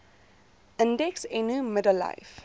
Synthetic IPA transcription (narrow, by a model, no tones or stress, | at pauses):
ʔə̃ndɛksenuːmədəlːa̰ɪf